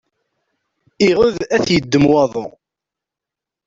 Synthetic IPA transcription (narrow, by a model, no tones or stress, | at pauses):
iʁʊðæθjəd̪ːəmwɑðˤo̰